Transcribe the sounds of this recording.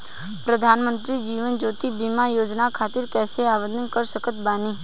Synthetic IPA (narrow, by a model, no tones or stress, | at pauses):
pɾəd̪ʱanmənt̪ɾid͡ʒiʋənd͡ʒot̪ibimajoːd͡ʒnakʰat̪ɪɾkɛseaʋəd̪ənkəɾsəkət̪bani